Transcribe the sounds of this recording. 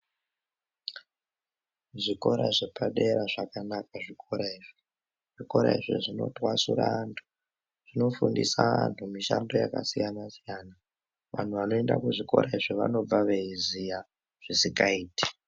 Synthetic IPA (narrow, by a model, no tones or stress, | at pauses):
ʐiko̞ɾaʐepaɗe̞ɾaʐakanak̚aʐikʰo̞ɾaiʐi | ʐ̥iko̞ɾaiʐḭʐino̞̰twasuraːntʰu̥ | ʐ̥ino̞fundisaantʰumiʃando̞jakasijanasijaːna | ʋan̤uʋano̞e̞ndakuʐiko̞̰ɾaiʐiʋa̰no̞b͡vaʋe̞izija | ʐ̥isikaiːti̥